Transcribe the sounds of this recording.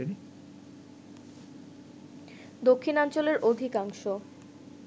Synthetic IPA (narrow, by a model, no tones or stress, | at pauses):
eni | d̪okʰːinɔnt͡ɕoleɾʔod̪ʱikaŋʃo